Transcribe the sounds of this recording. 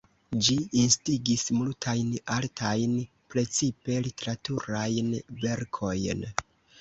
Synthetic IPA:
d͡ʒiinstiɡismultʰajnaltʰajn | pɾe̞t͡sipe̞lite̞ɾatuɾajnve̞ɾkʰo̞jn

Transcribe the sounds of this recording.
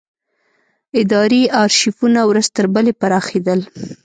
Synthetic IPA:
ɪd̪ɑɾiɑɾʃifunawɾəzt̪əɾbəlepaɾɑxed̪əl

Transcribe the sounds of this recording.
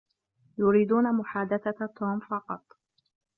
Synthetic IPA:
jʊɾiːd̪uːnamʊħaːd̪aθat̪ːoːmfɑqɑt̪ˤ

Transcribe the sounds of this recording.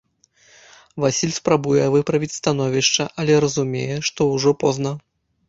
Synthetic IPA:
vasʲilʲspɾabujɛvɨpɾɐvʲit͡sʲst̪anɔvʲiʂt͡ʂɐʔɐlʲɛɾɐzumʲḛjɛʂt̪ɔwʐɔpɔznɐ

